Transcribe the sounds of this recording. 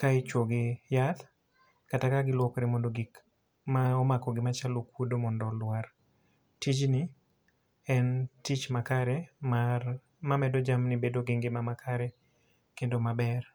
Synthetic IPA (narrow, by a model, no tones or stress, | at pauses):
kaɪt͡ʃwoɡejat̪ | katakaɡɪlwɔkɾemɔndoɡik | maɔmakɔɡɪmat͡ʃalokwodomɔndɔlwar | tit͡ʃnɪ | ɛntit͡ʃmakaɾɛma | mamɛdod͡ʒamnɪbedoɡeŋɡemamakʰaɾɛ | kendomabɛr